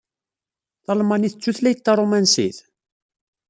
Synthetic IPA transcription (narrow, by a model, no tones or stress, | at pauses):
θɑlmɑniθət͡sːuθlæjt̪ːɑrˤomænsḭð